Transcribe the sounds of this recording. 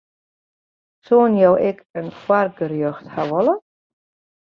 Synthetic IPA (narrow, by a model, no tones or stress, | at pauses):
soːnjɔwʔɛkənkwarɡərjøxthaʋɔlə